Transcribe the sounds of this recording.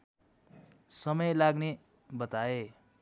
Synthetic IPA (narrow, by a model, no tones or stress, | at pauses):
sʌmʌjlaɡne | bʌt̪ae